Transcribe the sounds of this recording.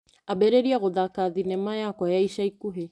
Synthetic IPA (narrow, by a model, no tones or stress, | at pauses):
abɛɾeɾiaɣoðakaðinɛmajakwɔjaiʃaikuɦe